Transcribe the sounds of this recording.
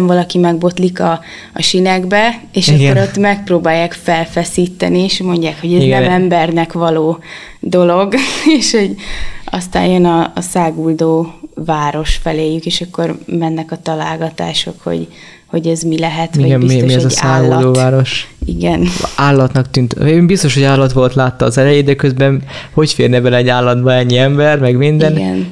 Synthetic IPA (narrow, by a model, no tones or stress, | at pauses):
ɱvɒlɒkimɛɡbo̞t̪likɒː | ʃinɛɡbɛ | eːʃɒɡoɾot̪mɛk̚proːbaːjːaːkfɛlfɛsiːt̪ːɛ̰nieʃmo̞ɲɟaːkho̞ɟɛznɛmɛmbɛrnɛkʋɒloː | d̪o̞lo̞ɡeːʃho̞ɟɒ̰st̪a̰ːjjønɒːsaːɡuld̪oːvaːɾo̞ʃfɛleːjykeːʃɒkːo̞rmɛnːɛkɒt̪ɒlaːlɡɒt̪a̰ːʃo̞̰kho̰ɟ | ho̞ɟɛzmilɛɦɛt̪iɡɛnmiiɛzɒsaaːɡuld̪oːvaːɾo̞ʃḭɡɛnaːlːɒt̪nɒkt̪ynt̪øeimbist̪o̞ʃhoɟaːlːɒt̪ʋo̞lt̪laːt̪ːɒːzɛlɛjeːd̪d̪ɛkøzbɛnho̞cfeːrnɛbɛlɛɛɟːaːlːɒd̪bɒɛɲːiɛmbɛrmɛɡmind̪ɛnɡɛ̰n